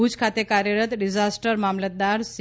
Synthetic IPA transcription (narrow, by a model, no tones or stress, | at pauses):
ut͡skʰat̪ekaɾjəɾət̪ɾid͡ʒasʈəɾmamlət̪̚d̪aɾs